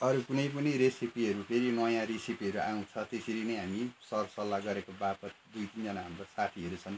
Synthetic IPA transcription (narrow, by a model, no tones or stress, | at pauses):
ʌɾukunʌjp̬ʌnʌɾesipiɦʌɾupʰeɾinʌjãɾesipiɦʌɾuʔaw̃t͡sʰʌt̪eseɾinʌjɦamisʌrsʌlːaɡʌɾekobapʌt̪̚d̪ujt̪ind͡zʌnaɦʌmɾʌsaʈʰiɦʌɾut͡sʰʌn